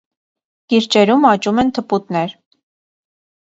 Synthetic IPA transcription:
kiɾt͡ʃɛɾumɑt͡ʃumɛnt̪ʰəput̪nɛɾ

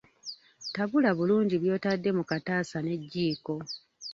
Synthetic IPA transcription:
taβulaβuluːɲɟiβjo̞ːtadːe̞mukataːsane̞ɟːiːko̞

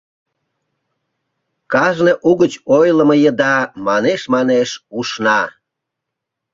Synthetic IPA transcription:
kɑʒneʔuɣət͡ɕojləməjəd̪ɑmɑneʃmɑneʃuʃnɑ

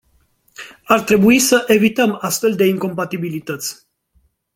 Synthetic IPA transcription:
art̪ɾe̞buisəʔe̞vit̪əmast̪fe̞ld̪e̞iŋko̞mpat̪ibilit̪ət̪sʲ

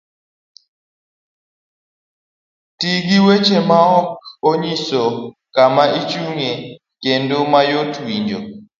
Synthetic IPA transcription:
tiɡiwet͡ʃemaɔk̚oɲisɔ | kamaʔit͡ʃuŋe | kendomajotwiɲd͡ʒo

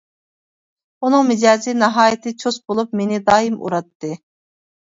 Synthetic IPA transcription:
unɨŋmɪd͡ʒɑːzɨnɑɦɑːjit̪ʰɨt͡ʃʰosbolˠup̚menɪd̪ɑːjimʔṵɾɑt̪ːɨ

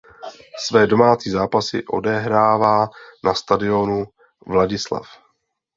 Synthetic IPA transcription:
svɛːdo̞maːt͡siːzaːpasɪ̰ʔo̞̰dɛɦɾaːvaːnʔast̪adɪo̞nu | vlaɟɪsla̰f

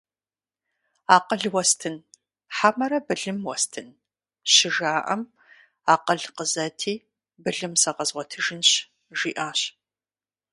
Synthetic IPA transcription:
aːqəɮwɐstʰɨn | ħamɐɾɐbɨɮɨmwɔstʰɨn | ɕɪʒaːʔɐ̰m | aːqəɮqəzɐtʰiː | bɨɮɨmsɐqɐzʁʷɔtʰɨʒɪnɕ | ʒ̥iːʔaːɕ

